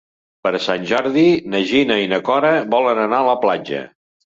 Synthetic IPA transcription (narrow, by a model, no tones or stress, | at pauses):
pəɾsanʲʒɔɾðinəʒinəinəkɔɾəβɔlənənaələplad͡ʒə̰